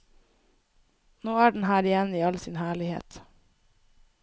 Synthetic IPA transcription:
noːæːɖɳ̩hæːɾɪjɛniːɑlsiːnhæːɭɪhḛːt̪

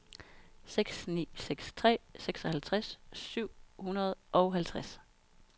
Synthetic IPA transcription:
seɡ̥snḭːseɡ̥st͡sʰʁɛ̰ːseɡ̥sɒ̽hælt͡sʰʁassyʊ̰hunɐð̞ˠʔɒ̽ʊɦælt͡sʰʁas

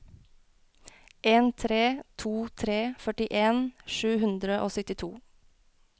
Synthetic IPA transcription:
ʔeːnt̪ʰɾeːt̪ʰuːt̪ʰɾeːfœʈɪʔeːnʃʉːhʉnd̪ɾəʔoːsʏt̪ɪt̪ʰuː

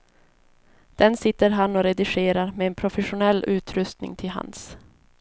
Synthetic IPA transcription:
d̪̥ɛnsɪt̪ːəɾɦanːɔɾɛd̪ɪɧeːɾaɾmɛːnpʰɾʊfɛɧʊnɛlːʉ̟ːt̪ʰɾɵst̪nɪ̰ŋt̪ʰɪlɦa̰ns

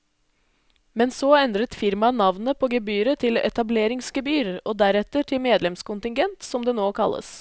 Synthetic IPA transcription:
mɛnsoːɛnd̪ɾət̪fɪɾmɑnɑʋnəpʰoːɡəbyːɾət̪ʰɪlɛ̰t̪ɑbleːɾɪŋsɡəbyːɾɔːd̪æɾɛt̪əʈʰɪlmeːd̪lɛmskʊnt̪ɪŋɡɛnt̪sɔmd̪ɛːnoːkʰɑlːə̰s

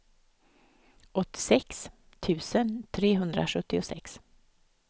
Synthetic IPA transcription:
ʔɔt̪ːɪ̥sɛks | t̪ʰʉ̟ːsənt̪ʰɾeːɦɵnd̪ɾa̰ʂɵt̪ːɪʊsɛ̰ks

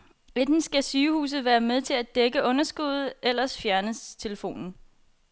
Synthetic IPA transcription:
ʋed̥n̩sɡ̥æsyːhṵːs̬ð̞̩ˠʋæːɐmeðˠt͡sʰe̝læd̥eɡ̥əʔɔ̽nɐsɡ̥uð̞ˠel̰ɐsfjæɐnəst͡sʰe̝ləfo̝̰ːnn̩

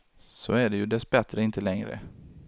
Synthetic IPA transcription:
sɔæɖɛjɵd̪ɛsbɛt̪ɾəɪnt̪əlɛŋɾə̰

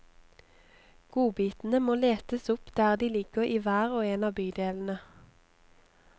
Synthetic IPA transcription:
ɡ̥uːbiːt̪n̩əmoːleːt̪əsʊpd̪̥æːʁd̪iːlɪɡ̥əʁiːʋæːʁoːeːnɑːbyːd̪eːln̩ə

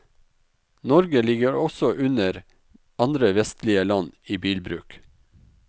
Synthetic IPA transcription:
nɔɾɡəlɪɡəɾɔsɔʔʉnəɾ | ɑnd̪ɾəʋɛst̪lɪəlɑniːbiːlbɾʉ̰ːk

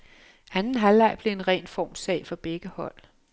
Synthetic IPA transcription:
ænn̩ɦælːɑ̈ɪ̰b̥le̝e̝nʁɛ̰ːnfɒ̰ːmsɛ̰ɪfɒ̽b̥eɡ̥əhɒ̽l̰

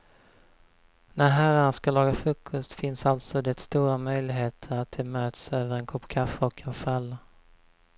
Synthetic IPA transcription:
næɾɦæɾanaskalɑːɡafɾɵːkʰːɵst̪fɪnsalt̪sɔd̪ɛt̪st̪uːɾamœjlɪɡɦeːt̪ʰəɾat̪̚d̪ɛmøːt̪søːvəɾɛnkʰʊpːkʰafəɔkʰːanfalːa

